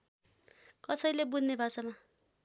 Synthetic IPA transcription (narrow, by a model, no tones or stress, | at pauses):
kʌsʌjlebunnːebʱat͡sʌma